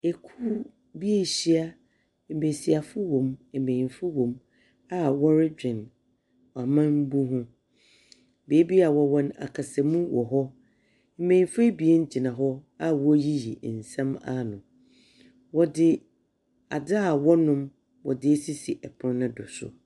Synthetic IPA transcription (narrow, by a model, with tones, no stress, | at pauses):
e˨kʰu˦ | bi˦e˦ɕi˦a˦ | m̩˨me˨si˨a˨fʊ˦wõ˨me˨mẽ˨ĩ˨fʊ˦wõ˨m | a˦wɔ˦ɾɪ˦d͡ʑᶣɪ̃˨n | a˨mã˦m̩˦bu˦ɦʊ̃˦ | be˨˦bi˦a˨wɔ˨wɔ̃˦na̰˨kʰa˨sɛ˨mũ˦wʔɔ˨ɦɔ˦ | m̩e˦mẽ˨ĩ˨fe˦bi˨e˦n˦d͡ʑi˨nã˨ɦɔ˦a˦wɔ˦ji˦jḭ˨n̩˨sã˦ma̰˨nʊ̃˨ | wɔ˦dɪ˨ | a˨da˦a˨wɔ˦nʊ̃˦m | wɔ˨dɪ˨e˦si˦si˨ʔɛ˨pʰʊ̃˦n˦nʊ̃˦dʊ˨sʊ̰˨